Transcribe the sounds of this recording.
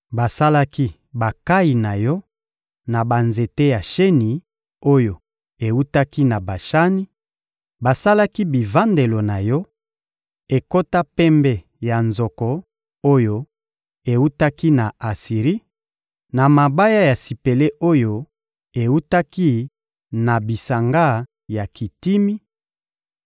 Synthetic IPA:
ba˨sa˦la˦ki˦ | ba˨ka˦i˨na˨jɔ˦ | na˨ba˨nze˨te˦ja˨ʃe˦ni˨ | o˦jo˨ | e˨wu˦ta˦ki˦na˨ba˨ʃa˦ni˦ | ba˨sa˦la˦ki˦bi˨va˦nde˨lo˨na˨jɔ˦ | e˨ko˦ta˦pɛ˦mbɛ˦ | ja˨nzɔ˨kɔ˨ | o˦jo˦ | e˨u˦ta˦ki˦na˨a˨si˨ʁi˦ | na˨ma˨ba˦ja˦ja˨si˨pe˨le˦ʔo˦jo˦ | e˨u˦ta˦ki˦ | na˨bi˨sa˨ŋɡa˦ | ja˨ki˨ti˦mi˦

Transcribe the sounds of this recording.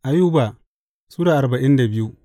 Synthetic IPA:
ʔa˨juː˦ba˨ | su˦daː˨ʔa˨ɾba˨ʔɪ˦nda˨bɪ˦ju˦

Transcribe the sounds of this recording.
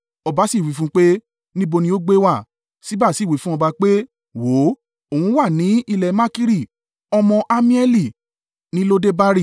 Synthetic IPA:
ɔ˧ba˨˦si˦˨wi˨˦fũ˦k͡pe˦ | nĩ˦bo˧nĩ˧˦o˦ɡ͡be˦wa˦˨ | si˦ba˦˨si˦˨wi˨˦fũ˦ɔ˧ba˧k͡pe˦ | wo˨˦ | o˨wũ˧˦wa˦˨nĩ˨˦i˧lɛ˨mã˦ki˦ɾi˦˨ | ɔ˧mɔ̃˧ʔa˧mĩ˦ɛ˦li˦˨ | nĩ˦lo˦de˦ba˦ɾi˦˨

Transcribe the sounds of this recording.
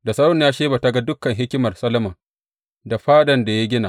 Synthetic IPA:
da˨sɐ˦ɽɔ˦ɲjaː˦ʃeː˦ba˨ta˦ɡa˦dʊ˦kːɐ˨ŋɦɪ˦kʲɪ˦mɐ˨rsɐ˦lɐ˦mɐ˨ | da˨ɸaː˦ɗɐ˨nda˨ja˦ɡʲɪ˦na˨ʔ

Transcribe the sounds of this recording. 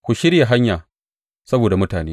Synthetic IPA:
kʷu˨ʃɪ˦ɾja˨ɦa˦ɲjaː˨ | sɐ˦boː˨da˨mʊ˦taː˨neː˦

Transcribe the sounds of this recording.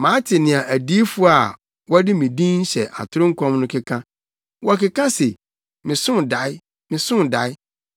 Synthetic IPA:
mãː˨˦tʰɪ˨nɪ̃˨a˨ʔæ˨di˦fu˦a˨ | wɔ˦dɪ˦mĩ˨dĩ˦n̩˦ɕɛ˨ʔa̰˨tʰʊ˦ɾʊ̃˦ŋ̩˦kʰɔ̃˦mnʊ̃˦kʰɪ˦kʰã˦ | wɔ˦˨kɪ˦kʰã˦se˨ | mɪ̃˨sʊ̃˦nda˨˦ɪ˦ | mɪ̃˨sʊ̃˦n˨da˨˦ɪ˦

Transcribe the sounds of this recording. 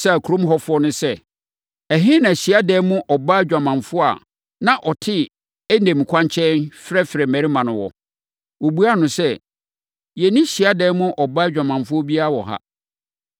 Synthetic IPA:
sa˦˨kʰu˨ɾõ˦mɦɔ˦fʊ˦ɔ˦nʊ̃˦sɛ˦ | æ˨ɦɪ̃˦nã˨ɕi˨a˦dɛː˦mʊ̃˦ʔɔ˨ba˦d͡ʑᶣa˨mã˨ɱfʊ˦a̰˨ | nã˨ʔɔ˨tʰɪ˦ | æ˦nẽ˨mĩ˨kʰʷã˦ɲt͡ɕʰɛ̃˦nfɾɛ˦fɾɛ˨mæ̃˨ɾi˦mã˨nʊ̃˨wɔ̰˨ | wo˨bu˦a˦nʊ̃˨sɛ˦ | jɛ˨nĩ˦ɕi˨a˦dɛː˦mʊ̃˦ʔɔ˨ba˦d͡ʑᶣa˨mã˨nfʊ˦ɔ˦bi˦a˦a˨wɔ˨ɦa̰˦

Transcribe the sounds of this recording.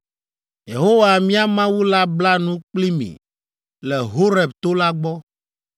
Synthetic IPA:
je˨ɦo˦wa˨mĩ˦a˦mã˦wu˦la˦bla˦nũ˦k͡pli˦mḭ̃˨ | lɛ˨ɦo˦ɾɛ˨bt̪o˦la˦ɡ͡bɔ˦

